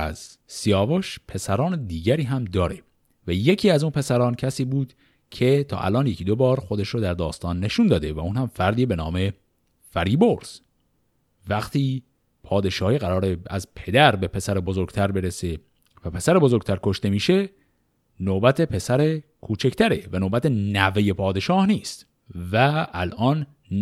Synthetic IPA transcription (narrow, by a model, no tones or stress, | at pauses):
æ̰z̥siɒːvoʃpʰe̞sæɾɒːned̪iːɟæɾiːɦæmd̪ɒːɾe | væje̞cʰiːæzuːnpʰe̞sæɾɒːncʰæsiːbuːd̪̥ | cʰe̞t̪ʰɒ̰ːʔæ̰lʔɒːnjecʰid̪o̞bɒːɾxo̞d̪eʃɾod̪æɾd̪ɒːst̪ɒːnːe̞ʃuːnd̪ɒːd̪evæuːnhæmfæɾd̪iːbe̞nɒːme̞ | fæɾiːboɾz̥ | væxt̪ʰiː | pʰɒːd̪e̞ʃɒːhiːɣæɾɒːɾeæ̰zpʰe̞d̪æɾbe̞pʰe̞sæɾebo̞zo̞ɾɡʲt̪ʰæɾbe̞ɾese | væpʰe̞sæɾebo̞zo̞ɾɡ̚t̪ʰæɾkʰo̞ʃt̪e̞miːʃe̞ | noːbæt̪ʰe̞pʰe̞sæɾekʰuːt͡ʃʰe̞ct̪ʰæɾevænoːbæt̪ʰenæve̞je̞pʰɒːd̪e̞ʃɒːhniːst̪ | væælʔɒːn